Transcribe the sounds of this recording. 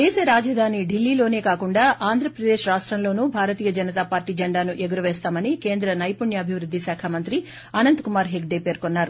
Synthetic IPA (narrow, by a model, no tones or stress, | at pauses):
t̪eːseːɾaːd͡ʒɐd̪ʱaːniɖilːiːlo̞ːne̞ːkaːkuɳɖaːʔaːnd̪ʱɾɐpɾɐd̪eːʃɾaːʂʈɾɐmlo̞ːnuːbʱaːɾɐt̪iːjɐd͡ʒɐnɐt̪aːpaːɾʈiːd͡ʒɐɳɖaːnuʔeɡuɾɐʋɛːst̪aːmɐnike̞ːnd̪ɾɐnɐjpuɳjɐːbʱiʋɾud̪ːisaːkʰamɐnt̪ɾi | ɐnɐnt̪kumaːɾɦeɡ̚ɖeːpeːɾkonːaːɾu